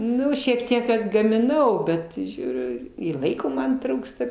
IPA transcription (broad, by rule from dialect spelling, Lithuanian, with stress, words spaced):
ˈnʊ ʃʲiɛk ˈtʲiɛk ɐdɡɐmʲɪˈnɐʊ ˈbʲɛt ˈʒʲuːrʲʊ ɪ ˈlˠɐɪkoː ˈmɐn ˈtruːkstɐ